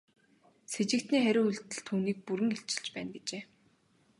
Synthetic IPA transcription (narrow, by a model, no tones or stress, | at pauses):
set͡ɕɪ̆kt̪niːχæɾʲʊːuɮt̪ɘ̆ɮt̪ʰuːniːk̚puɾɘ̆ŋeɬt͡ɕɪ̆ɮt͡ɕpæːnɡet͡ɕeː